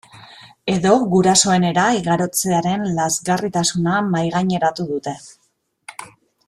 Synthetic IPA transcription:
e̞ðo̞ɣuɾaso̞e̞ne̞ɾaiɣaɾo̞t͡se̞aɾe̞nlazɣarit̪asunamajɣaɲe̞ɾat̪uðut̪e̞

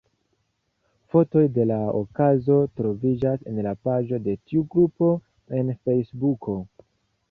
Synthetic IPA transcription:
fo̞to̞jde̞lao̰kazo̞tɾo̞vid͡ʒase̞̰nlapad͡ʒo̞de̞tiuɡɾupo̞ | e̞nfe̞jsbukʰo̞

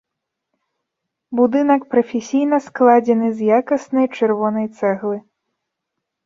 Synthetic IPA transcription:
bud̪ɨnɐkpɾɐfʲɛsʲijnɐsklˠad͡zʲɛnɨzjakɐsnɐjt͡ʂɛrvɔnɐjt̪sɛɣlˠɨ

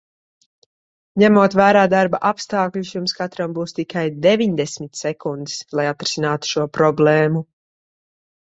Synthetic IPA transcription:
ɲæmuɔt̪væːɾaːd̪aɾbaʔapst̪aːkʎusjumskat̪ɾambuːst̪ikajd̪ɛviɲd̪ɛsmit̪sɛkund̪i̥slˠajat̪ɾɛ̥sʲinaːt̪u̥ʃuɔpɾɔblɛːmu

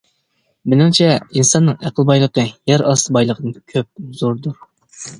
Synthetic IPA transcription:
mɪnɪŋt͡ʃʰɛinsɑnːɨŋæqʰəlˠbɑjlˠəqəjɛɾɑsbɑjlˠəqʰəd̪ɨnkʲʰøp̚z̥oɾd̪uɾ

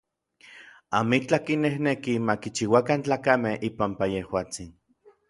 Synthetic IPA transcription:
amit͡ɬakinehnekimakit͡ʃiwakant͡ɬaːkamehipampajehwaːt͡sin

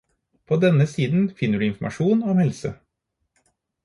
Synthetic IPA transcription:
pʰod̪ɛnəsiːd̪n̩fɪnːəɖʉːɪnfmʔɑ̰ʂuːnɔmhɛlsə

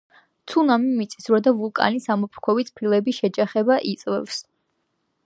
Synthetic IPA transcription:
t̪sʰunamimit̪sʼi̥sɾɔd̪avulˠkʼa̰nisamɔpʰkʰɔvit̪sʼpʰilˠɛbiʃɛd͡ʒaχɛbaʔit̪sʼvɛ̰fs

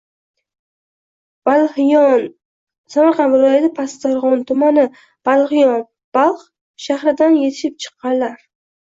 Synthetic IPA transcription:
bn | samaɾqʰɑnvɪlˠɒjat̪apʰast̪aɾʁɒnt̪ʰʊmanɪ | b̥alˠχɪjɒn | b̥ɑlˠχ | ʃahɾɪd̪anje̞t̪ʰɪ̥ʃɪp̚t͡ʃʰɨ̥qːɑnlaɾ

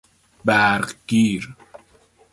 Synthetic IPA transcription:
bæɾɢɡiːɾ

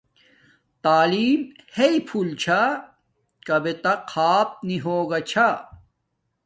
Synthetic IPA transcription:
t̪aːliːmheipʰult͡ɕʰa | kɐbet̪ɐqʰaːp̚niɦoːɡɐt͡ɕʰa

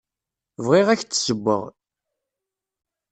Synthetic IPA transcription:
vʁiʁæçt͡s̪ːsəbːə̰ʁ

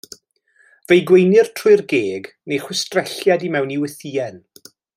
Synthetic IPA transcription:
v̥ejɡwejnɪr̥tʰrʊɨrɡeːɡ | nejχwɪstrɛɬjadimɛwniwɪθiːɛn

